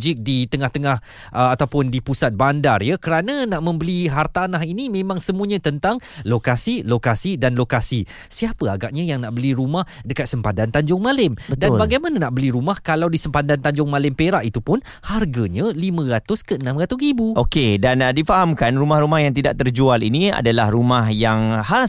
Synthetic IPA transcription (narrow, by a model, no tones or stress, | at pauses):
d͡ʒɪk̚dit̪əŋaht̪əŋah | ʔəat̪awpʊndipusat̪̚bandarjakəɾananaʔmə̃mbəliɦart̪anaɦinimẽmãŋsəmũəɲãt̪ənt̪aŋlokasilokasidanlokasi | siapəaɡaʔ̚ɲãjaŋnaʔbəliɾumahdəkat̪̚səmpadant̪aɲd͡ʒʊŋmalɪmbədnnbaɡajmananaʔbəliɾumahkalawdisəmpadant̪aɲd͡ʒʊŋmalɪmpeɾaʔit̪upʊn | harɡaɲəlimə̃ɾat̪ʊskəənãmrat̪ʊsɾibuʔokedandifaɦamkanrumahrumahjaŋt̪idaʔ̚t̪ərd͡ʒualḭnĩa̰dalahrumahjaŋha